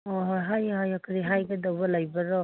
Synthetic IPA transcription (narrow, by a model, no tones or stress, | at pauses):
ɔɦɔɦajɦajɔkʰɯɾiɦajɡɯdɔbalajbaɾɔ